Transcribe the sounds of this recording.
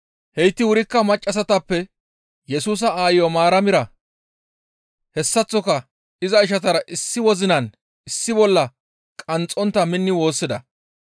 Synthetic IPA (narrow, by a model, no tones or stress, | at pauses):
hɛjt̪ːɪwʊɾɪkːɐmɐt͡ʃʼːɐs̬ɐt̪ɐpːɛ | jɛsuːs̬ɐaːjɪjɔmaːɾɐmɪɾɐ | hɛsːɐt͡sːɔkɐ | ɪzɐɪʃ̬ɐt̪ɐɾɐʔɪsːɪwɔzɪnɐn | ɪsːɪbɔlːɐ | kʼɐnt͡sʼːɔnt̪ːɐmɪnːɪwo̞ːsːɪd̪ɐ